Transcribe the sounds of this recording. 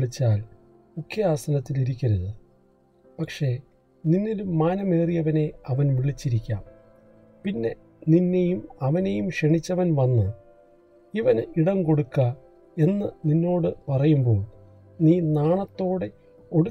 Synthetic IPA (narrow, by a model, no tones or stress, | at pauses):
ɭit͡ɕːaːl | ukʰːjɐaːsɐnɐt̪ːiliɾikʲːɐɾɐðɨ | pɐkʂe̞ | ninːilumːaːnɐme̞ːrijɐʋɐne̞ɐʋɐnʋiɭit͡ɕːiɾikʲːa̰ːm | pinːe̞ | ninːe̞jumɐʋɐne̞jumʂeɳit͡ɕːɐʋɐnʋɐnːɨ | iʋɐniɽɐŋko̞ɽukːɐ | e̞nːɨninːo̞ːɽɨpɐrɐjumbo̞ːɭ | niːnaːɳɐt̪ːo̞ːɽe̞ | o̞ɽu